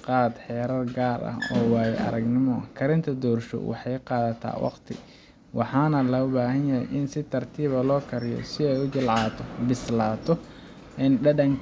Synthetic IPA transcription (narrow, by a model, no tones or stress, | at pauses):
qɑːd̪ħɛːɾɐrɡaːrɐ̰hɔːwaːjɛʔɐ̰ɾɐɡnɪmɔkʰɐɾɪnt̪ʰɐd̪ɔːrʃɔ̰wɑ̰ħɑjqɑːðɐt̪ʰa̰ːwʔɑ̰qt̪ʰɪ̰ | wɑħɑːnɐlɐʊbaːɦɐnjɐhɛjʔɪnsɪt̪ʰɐrt̪ʰiːβɐlɔːkʰɐɾɪjɔ̰sɪɛjʊt͡ʃɪlʕɑːt̪ʰɔbɪslaːt̪ʰɔ | ɛnɖɐɖɐŋ